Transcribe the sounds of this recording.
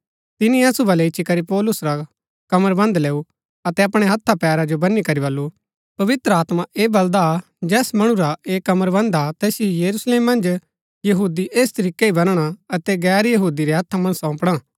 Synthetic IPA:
t̪ɪniɐsubʱɐlɛɪt͡ʃʰikɐɾipɔːlʊsɾa | kɐməɾbɐ̃nd̪leːu | ɐt̪ɛɐpɽ̃eɦɐt̪ʰːapɛːɾad͡ʒobɐnːikɐɾibɐlːu | pɐʋɪt̪ɾəaːt̪maʔeːbɐld̪a | d͡ʒɛːsmɐɽ̃ũɾaeːkɐməɾbɐ̃nd̪at̪ɛːsijɐɾusleːmːɐ̃nd͡ʒ | jɐɦuːd̪iʔeːst̪ɐɾiːkeibɐnɽ̃aɐt̪ɛɡɛːɾjɐɦuːd̪iɾeɦɐt̪ʰːamɐ̃ɽ̃əsɔ̃ːpɽ̃ãː

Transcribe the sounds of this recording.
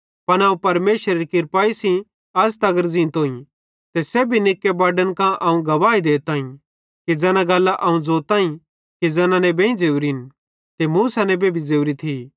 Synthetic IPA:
pɐñɐːũpɐɾmeːʃəɾɐɾikɪɾpaːisĩ | ɐst̪ɐɡəɾd͡zĩːnt̪ɦoːĩ | t̪esɛbʱinɪkːebaːɖənkãʔɐũɡɐʋaːid̪eːt̪aːĩ | kid͡zɛːnãɡɐlːaʔɐũd͡zoːt̪ãːĩ | kid͡zɐːnãnɛbʱẽĩd͡zeːwɾin | t̪emuːsanɛbʱebʱid͡zeːwɾit̪ʰi

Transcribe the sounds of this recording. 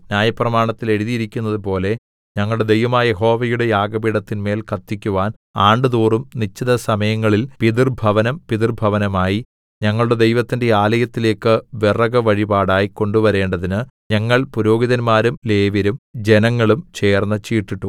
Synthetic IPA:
njaːjɐprɐmaːɳɐt̪ːile̞ɽuðijiɾikʲːunːɐðup̬o̞ːle̞ | ɲɐŋːɐɭɽe̞d̪e̞jʋɐmaːjɐje̞ɦo̞ːʋɐjuɽe̞jaːɡɐbiɽɐt̪ːinme̞ːlkʰɐt̪ːikʲːuʋaːn | aːɳɖɨðuːrumnit͡ɕːɐðɐsɐmɐjɐŋːɐɭilpiðirbʱɐʋɐnɐmpiðirbʱɐʋɐnɐmaːji | ɲɐŋːɐɭuɽe̞d̪e̞jʋɐt̪ːinde̞aːlɐjɐt̪ːile̞ːkːɨʋirɐɡɐʋɐɻibaːɽaːjiko̞ɳɖuʋɐɾe̞ːɳɖɐðinɨɲɐŋːɐɭpuɾo̞ːɡiðɐnmaːɾumleːʋɐɾumd͡ʑe̞nɐŋːɐɭumt͡ɕe̞ːrnːɐt͡ɕiːʈːiʈːu

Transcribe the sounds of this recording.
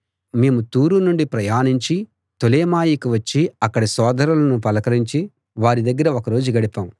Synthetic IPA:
me̞ːmut̪uːɾunuɳɖipɾɐjaːniɲt͡ʃi | t̪oleːmaːjikiʋɐt͡ʃːiɐkːɐɽisɔːd̪ɐɾulɐnupɐlɐkɐɾiɲt͡ʃi | ʋaːɾid̪ɐɡːɐɾɐokɐɾo̞ːd͡ʒuɡɐɽipaːm

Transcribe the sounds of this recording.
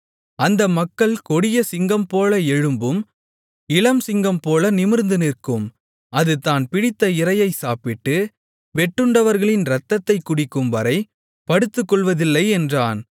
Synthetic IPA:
ɐnd̪ɐmɐkːɐɭkɔɽɪjɐsɪŋɡɐmpoːlɐɛɻɯmbɯm | ɪlɐmsɪŋɡɐmpoːlɐnɪmɪɾnd̪ɯnɪrkɯm | ɐðɯt̪ːaːnpɪɽɪt̪ːɐɪɾɐjɐɪsaːpɪʈːɯ | ʋɛʈːɯɳɖɐʋɐɾɣɐɭɪnɾɐt̪ːɐt̪ːɐɪkːʊɽɪkːɯmʋɐɾɐɪ | pɐɽɯt̪ːɯkːɔɭʋɐðɪlːɐɪɛndraːn

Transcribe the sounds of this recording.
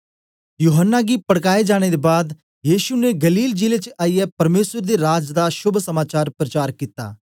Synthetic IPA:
juːɦənːaɡipɐɽkaːed͡ʒaːɽ̃ed̪ebaːd̪ | jiːʃuneɡɐliːld͡ʒiːlet͡ʃaːijɛpɐɾmeːsəɾd̪eɾaːd͡ʒd̪aʃʊbʱsəmaːt͡ʃaːɾpɾət͡ʃaːɾkiːt̪a̰ː

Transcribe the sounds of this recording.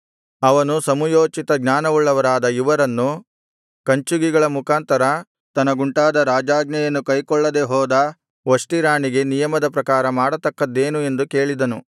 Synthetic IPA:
ɐʋɐnusɐmujoːt͡ʃit̪ɐɡɲaːnɐʋuɭːɐʋɐɾaːd̪ɐiʋɐɾɐnːu | kɐɲt͡ʃuɡiɡɐɭɐmukaːnt̪ɐɾɐ | t̪ɐnːɐɡuɳʈaːd̪ɐɾaːd͡ʒaːɡnɐjɐnːukɐjkɔɭːɐd̪e̞ɦɔːd̪ɐ | ʋɐʂʈiɾaːɳiɡe̞nijɐmɐd̪ɐpɾɐkaːɾɐmaːɽɐt̪ɐkːɐd̪ːe̞ːnue̞nd̪uke̞ːɭid̪ɐnu

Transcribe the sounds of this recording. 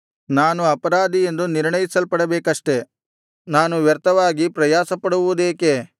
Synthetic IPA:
naːnuɐpɐɾaːd̪ie̞nd̪uniɾɳɐjisɐlpɐɽɐbeːkɐʂʈe̞ | naːnuʋjɐɾt̪ɐʋaːɡipɾɐjaːsɐpɐɽuʋud̪eːke

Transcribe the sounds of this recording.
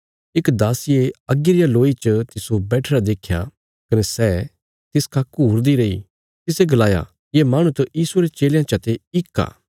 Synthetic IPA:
ɪkd̪aːsɪjeɐɡɪɾɪjaloːit͡ʃət̪ɪsobɛːʈʰɾad̪eːkʰja̰ | kɐnesɛː | t̪ɪskʰakːuɦʊɾd̪iɾɐḭ | t̪ɪseɡɐlaːja̰ | jemaːɽ̃ut̪ɐjiːsueɾet͡ʃeːljãt͡ʃɐt̪eɪkːa̰ː

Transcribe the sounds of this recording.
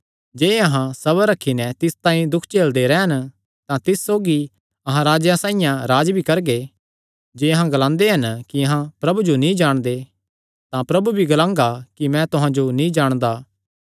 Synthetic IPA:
d͡ʒeːɐɦãsɐβəɾɐkʰːinɛt̪ɪst̪ãːĩd̪ʊkʰt͡ʃeːld̪eɾɛːən | t̪ãt̪ɪssoːɡi | ɐɦãɾaːd͡ʒjãsãːĩjãɾaːd͡ʒbʱikɐɾɡe | d͡ʒeːɐɦãɡɐlãːnd̪eɦɐnkiɐɦãpɾɐbud͡ʒonĩd͡ʒaːɽ̃d̪e | t̪ãpɾɐbubʱiɡɐlãːŋɡakimɛ̃t̪ʊɦãd͡ʒonĩd͡ʒaːɽ̃d̪aː

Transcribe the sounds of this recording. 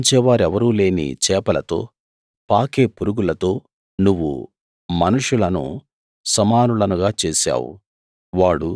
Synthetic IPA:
ɲt͡ʃɛːʋaːɾɛʋɐɾuːle̞ːnḭt͡ʃɛːpɐlɐt̪o̞̰ː | paːke̞ːpuɾuɡulɐt̪o̞ː | nuʋːṵ | mɐnuʂulɐnṵ | sɐmaːnulɐnuɡaːt͡ʃeːsa̰ːwṵ | ʋaːɽu

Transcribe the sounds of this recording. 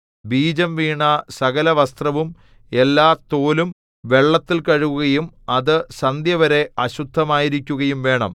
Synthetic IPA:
biːd͡ʑɐmʋiːɳɐsɐɣɐlɐʋɐst̪rɐʋum | e̞lːaːt̪oːlum | ʋe̞ɭːɐt̪ːilkɐɻuɣuɣɐjumɐðɨsɐnd̪jɐʋɐɾe̞ɐɕud̪ʱːɐmaːjiɾikʲːuɣɐjumʋe̞ːɳɐ̰m

